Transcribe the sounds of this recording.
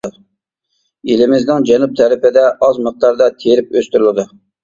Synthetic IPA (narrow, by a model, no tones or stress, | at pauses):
elɪmɪznɪŋd͡ʒɛnup̚t̪ʰɛɾɪpɪd̪ɛʔɑzməq̚t̪ɑɾd̪ɑt̪ʰejɾɪpøst̪yɾɪlˠɨd̪ɨ